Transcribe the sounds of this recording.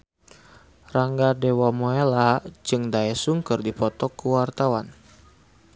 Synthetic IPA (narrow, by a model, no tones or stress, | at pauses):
raŋɡadewamoelad͡ʒɨŋdaɛsuŋkɨrdipɔt̪ɔkːuwart̪awan